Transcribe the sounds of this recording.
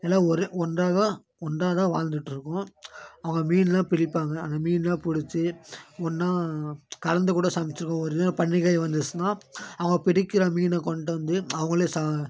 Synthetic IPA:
ɛlːãːɔɾɯɔndraːɣɐ | ɔndraːt̪ãːʋaːlnd̪ɯʈːɯɾɯkːʊ̃ɐʋɐŋɡɐmiːnlãːpɪɽɪpːaːŋɡɐaːnaːmiːnlãːpɪɽɪt͡ʃːɯɔnːãːkɐɾɐnd̪ɯkuːɽɐsɐmɪt͡ʃːɯɾɯkːɐ̃ːɔɾɪðɐpɐɳːɪɣɐjʋɐnd̪ɯsɯnãːɐʋɐŋɡɐpɪɽɪkːɪɾɐmiːnɛkɔɳʈːɐʋɐnd̪ɯɐʋɐŋɡɐɭɯsa

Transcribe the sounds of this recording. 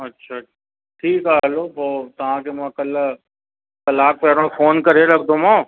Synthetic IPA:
ɐtːʃʰa | ʈʰiːkaːloːboːt̪ɐɦãkemãkɐl | kɐlaːk̚pɛːɾõfoːnkɐɾelɐɡ̚d̪omãː

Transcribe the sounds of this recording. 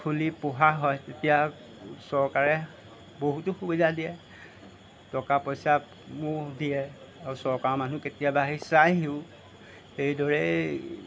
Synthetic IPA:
kʰulipʊɦaɦɔjtetija | sɔɹkaɹɛ | boɦutʊxubidadijɛ | tɔkapɔjsa | mʊdijɛ | aɹusɔɹkaɹɔmanuketijabaɦisajɦiʊ | xejdɔɹɛ

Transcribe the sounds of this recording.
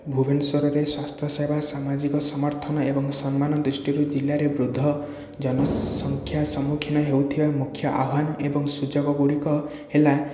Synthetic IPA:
bʱubʱensoɾɔɾeswast̪ʰjɔsajbʱasamad͡ʒikɔsɔmɔɾt̪ʰɔnɔebɔŋsɔnmanɔd̪ɾisʈiɾud͡ʒilːaɾebɾud̪ʱːɔ | d͡ʒɔnɔsɔŋkʰjasɔmukʰinɔɦewt̪ʰibamukʰjɔʔabʱanɔʔebɔŋsud͡ʒoɡɔɡuɽikɔ | hela

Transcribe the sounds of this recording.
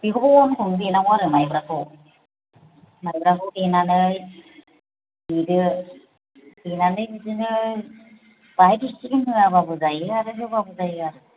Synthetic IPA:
b̥iɦoɔnkʰɯŋbenamaɾɯmajbɾakʰo | majbɾakɯdenanɯj | bidɯ | dinanɯjbizɯnɯ | b̥ajbit͡ʃinɦɯababɯzajɯaɾɯɦɯbabɯzajɯaɾɯ

